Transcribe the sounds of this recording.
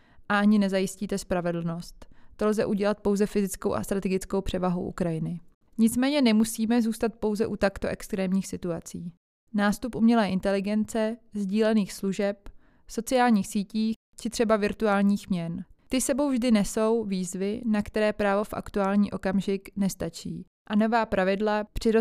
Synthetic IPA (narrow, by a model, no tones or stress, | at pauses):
ʔaʔaɲɪnɛzajɪsciːt̪ɛspɾavɛdl̩no̞st̪ːo̞lzɛʔuɟɛlat̪̚po̞wzɛfɪzɪt͡skowʔa̰st̪ɾat̪ɛɡɪt͡sko̞wpr̝̥ɛvaɦo̰wʔṵkɾajɪnɪ | ɲɪt͡smɛːɲɛnɛmusiːmɛzuːst̪at̪̚po̞wzɛʔut̪akt̪o̞̰ʔɛkst̪ɾɛːmɲiːxsɪt̪uat͡siː | naːst̪upʔumɲɛlɛːʔɪnt̪ɛlɪɡɛnt͡sɛzɟiːlɛniːxsluʒɛp | so̞t͡sɪaːlɲiːxsiːciː | t͡ʃɪt̪r̥ɛbavɪɾt̪uaːlɲiːxmɲɛnt̪ɪsɛbo̞wvʒdɪnɛso̞wviːzvɪnakt̪ɛɾɛːpɾaːvo̞fʔa̰kt̪uaːlɲiːʔo̞kamʒɪknɛst̪at͡ʃiː | ʔano̞vaːpɾavɪdlapr̝̥ɪɾo